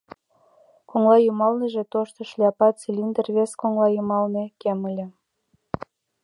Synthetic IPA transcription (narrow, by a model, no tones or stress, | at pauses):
koŋlɑjumɑlneʒe̽t̪oʃt̪ŏʃlʲɑpɑt͡silʲind̪ərβeskoŋlɑjumɑlnekeməlʲĕ